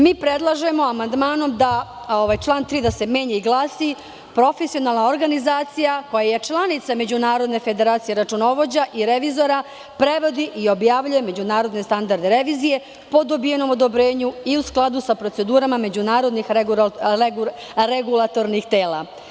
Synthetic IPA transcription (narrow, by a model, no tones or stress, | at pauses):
miːpɾed̪lˠaʒe̞mo̞amand̪maːno̞md̪a | oʋajt͡ʃlˠaːnt̪ɾiːd̪ase̞me̞ɲeiɡlˠaːsi | pɾo̞fesio̞naːlˠnao̞ɾɡanizaːt̪sijako̞jajet͡ʃlˠanit̪same̞d͡ʑunaːɾo̞d̪ne̞fe̞d̪e̞ɾaːt̪sije̞ɾat͡ʃuno̞ʋo̞d͡ʑaʔiɾe̞ʋizo̞ɾa | pɾe̞ʋo̞d̪iʔio̞bjaːʋʎuje̞me̞d͡ʑunaːɾo̞d̪ne̞st̪and̪aɾd̪eɾe̞ʋiːzije̞ | po̞d̪o̞bije̞no̞mo̞d̪o̞bɾe̞ːɲuiusklˠad̪usapɾo̞t̪se̞d̪uːɾamame̞d͡ʑunaːɾo̞d̪nix | ɾeɡulˠat̪o̞ɾnixt̪e̞ːlˠa